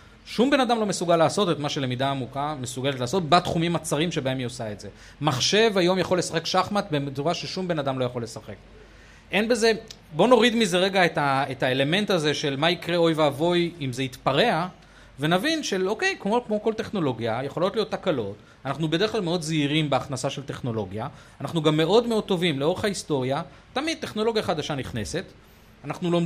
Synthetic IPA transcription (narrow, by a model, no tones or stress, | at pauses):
ʃumbe̞nadamlo̞mesuɡalːaːso̞tetmaʃe̞le̞mid̪aːmukamesuɡe̞let̪laːso̞t̚bat̪χumimat͡saʁimʃe̞bae̞mjosaetze̞ | maχʃe̞vajo̞mjaχo̞le̞saχe̞kʃaχmat̪bemt͡suʁaʃeʃumbe̞nadamlo̞jaχo̞le̞saχe̞k | ʔe̞nbe̞ze̞bo̞no̞ʁid̪mize̞ʁe̞ɡaetaetaele̞me̞ntaze̞ʃe̞lmaikʁeo̞jveavo̞jimzeit̪paʁe̞a | ve̞navinʃelo̞ke̞jkmokmo̞ko̞lte̞χno̞lo̞ɡjajeχo̞lo̞tlijo̞t̪ːakalo̞t | anaχnube̞d̞χklalmeo̞d̪ziʁimbeaχnasaʃelte̞χno̞lo̞ɡjaː | naχnuɡamːe̞ʔo̞dmeo̞d̚t̪o̞vimleo̞ʁeχaisto̞ʁja | tamid̪̚t̪ːe̞χno̞lo̞ɡjaχad̪aʃaniχne̞se̞t | anaχnulom